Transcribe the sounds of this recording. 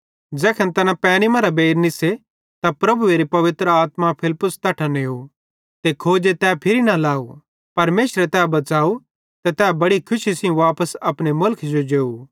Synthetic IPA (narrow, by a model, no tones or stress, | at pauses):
d͡ʒɛːkʰənt̪ɛːnapɛ̃ːnimɐɾabeːɾnɪse | t̪apɾɐbueːɾipɐʋɪt̪ɾəaːt̪mapʰɪlpʊst̪ɐʈʰaneɦu | t̪ekʰoːd͡ʒet̪ɛːpʰɪɾinalaːu | pɐɾmeːʃɾet̪ɛːbɐt͡ʃaːu | t̪et̪ɛːbɐɽikʰʊʃisiũʋaːpəsɐpɽ̃emʊlkʰd͡ʒod͡ʒeːu